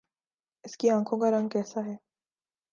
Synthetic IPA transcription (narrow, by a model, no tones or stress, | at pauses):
ɪskiãːkʰõkaɾɐ̃ŋɡ̚kɛːsaɦɛː